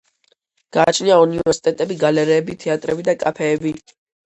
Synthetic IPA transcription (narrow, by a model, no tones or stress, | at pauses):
ɡ̥aːt͡ʃʰniaunivɛɾsi̥t̪ʼɛt̪ʼɛbiɡalɛɾɛːbit̪ʰɛat̪ʼɾɛbid̪akʼapʰɛːbi